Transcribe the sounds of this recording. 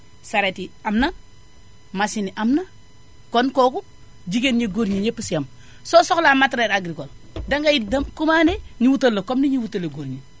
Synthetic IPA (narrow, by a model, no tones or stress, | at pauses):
saɾetiamna | masiniʔamna | konkoku | d͡ʒikenɲeɡoɾɲiɲepisjam | sosoklamatɾeɾaɡɾikol | daŋɡajidamkumaneɲiwutalːokomniɲiwutalːeɡoɾɲi